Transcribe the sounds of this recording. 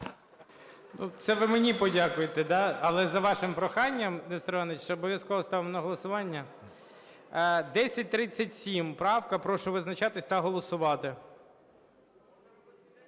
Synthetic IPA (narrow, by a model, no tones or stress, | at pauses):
nut̪sɛʋɪmenʲipɔdʲakʊjet̪ed̪ɑɐlˠɛzɐʋɑʃɪmpɾɔxɑnʲːɐmnɛst̪ɾɔnɪt͡ʃt͡ʃɛɔbɔʋʲjɐskɔʋɐst̪ɑʋɪmɔnɐɦɔlˠɔsʊʋɑnʲːɐ | d̪ɛsʲɐt̚ʲt̪ɾɪt͡sʲːɐtʲsʲimpɾɑwkɐpɾɔʃʊʋɪznɐt͡ʃɑt̪ɪsʲt̪ɐɦɔlˠɔsʊʋɑt̪ɪ